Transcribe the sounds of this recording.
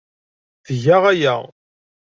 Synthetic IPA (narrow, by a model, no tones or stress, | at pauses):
θʝæʁæjæ̰